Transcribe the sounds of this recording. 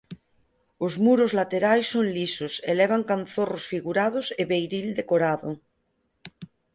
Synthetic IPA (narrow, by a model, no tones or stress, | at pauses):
ozmuɾozlat̪eɾajsːoŋlisoseleβ̞aŋkan̟θorosfiɣuɾað̞oseβejɾild̪ekoɾaðo